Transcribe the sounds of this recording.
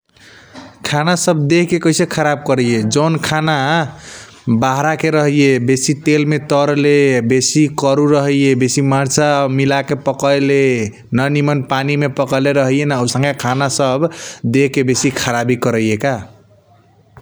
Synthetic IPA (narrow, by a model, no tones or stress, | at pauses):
kʰanasəb̚d̪eɦkekəɪsekʰəɾab̚kəɾəijed͡ʒonkʰana | baɦɾakeɾʌɦijebesit̪elmet̪əɾlebesikəɾuɾəɦijebesimaɾt͡ʃamilakepəkəjle | nənimənpanimepəkəleɾəɦijenausə̃ŋɡakʰanasəbd̪ekebesikʰəɾabikəɾəjeka